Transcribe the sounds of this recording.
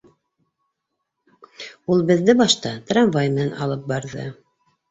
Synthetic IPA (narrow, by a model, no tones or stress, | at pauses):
ulˠbɘ̆ðːɘbɑʃt̪ɑt̪ranvajmɘnɑ̰lˠɤp̚bɑɾðɤ̰